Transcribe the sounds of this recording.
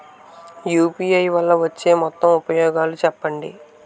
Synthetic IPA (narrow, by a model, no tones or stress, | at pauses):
juːpiːɐjʋɐlːɐʋɐt͡ʃːe̞ːmɔt̪ːɐmupɐjɔːɡaːlut͡ʃɛpːɐɳɖḭ